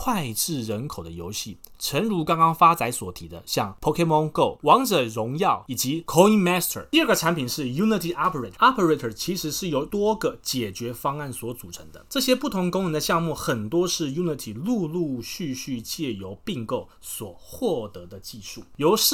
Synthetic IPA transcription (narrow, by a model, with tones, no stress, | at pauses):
kʰwa˥˧ɪʈ͡ʂɻ̩˥˩ɻə˧˦˥nkʰo˨˩ʊd̪ə˦jo˧˥ʊɕi˥˩ | ʈ͡ʂʰə˧˥nɻu˧˥kɑ˥ŋkɑ˥ŋfa˥t͡sa˧˥ɪswɔ˨˩t̪ʰi˨˥d̪ə̰˧ɕjɑ˥˩ŋpʰo˧˥kʰe˥mɔ˥ŋko˥˩ʊwɑ˧˥ŋʈ͡ʂə˨˩ɻʊ˧˥ŋjɑ˥˩ʊi˨˩t͡ɕi˧˥˦kʰo˥i˥nmɛ˥st̪ʰə̰˨˩t̪i˥˧ə˞˥˩ɡə˩ʈ͡ʂʰa˧˥npʰi˨˩nʂɻ̩˥˩ju˥ni˧˥t̪ʰi˨˩ʔɑ˥pʰə˧˩e˨˩ɑ˥pʰə˧˥ɹe˧˥tʰə˨˩t͡ɕʰi˧˥ʂɻ̩˧˥ʂɻ̩˥˩jo˧˥ʊt̪wɔ˥ɡə˨˩t͡ɕjɛ˨˩t͡ɕɥɛ˧˥fɑ˥ŋa˥˩nswɔ˧˥t͡su˨˩ʈ͡ʂʰɤ˧˥ŋd̪ə̰˧ʈ͡ʂɤ˥˨˩ɕjɛ˥pu˥˩t̪ʰʊ˧˥ŋkʊ˥ŋɻə˧˥nd̪ə˧ɕjɑ˥˧ŋmu˥˩xə˨˩nt̪wɔ˥ʂɻ̩˥˩ju˥ni˧˩t̪ʰi˨˩lu˥˧lu˥˧ɕy˥˧ɕy˥˧t͡ɕjɛ˥˩jo˧˥ʊpi˥˧ŋko˥˩ʊ | swɔ˨˩xwɔ˥˩t̪ɤ˧˥d̪ə˧t͡ɕi˥˧ʂu˥˩jo˧˥ʊʂɻ̩˥˩